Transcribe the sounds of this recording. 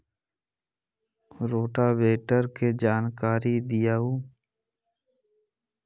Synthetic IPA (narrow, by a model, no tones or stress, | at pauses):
ɾoːʈabeːʈəɾked͡ʒaːnkaːɾid̪ɪjaːuː